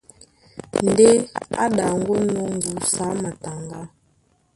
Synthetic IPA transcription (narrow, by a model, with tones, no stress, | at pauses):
n̩˨˦de˦a̰˦ɗa˨ŋ˦ɡu˦nɔ˦ŋ̩˨ɡu˨sa˨˦ma˨ta˨ŋɡa˦